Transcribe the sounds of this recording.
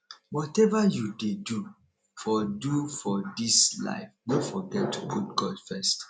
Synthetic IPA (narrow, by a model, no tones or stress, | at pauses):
wɔtɛvajudedu | fɔdufɔdisla̰ɪfnofɔɡɛtːuɡʰut̚ɡɔdfɛst